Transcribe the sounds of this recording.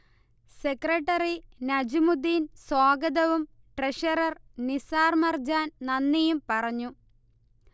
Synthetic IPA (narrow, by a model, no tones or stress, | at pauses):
se̞kreʈːɐrinɐd͡ʑimud̪insoːɡɐd̪ɐʋum | ʈreʂɐɾɐrnisaːrmɐrd͡ʑaːnnɐnːijumpɐrɐɲːu